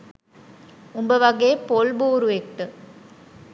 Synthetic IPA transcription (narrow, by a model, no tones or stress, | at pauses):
umbəʋɐɡeːpolboːɾuekʈːɯ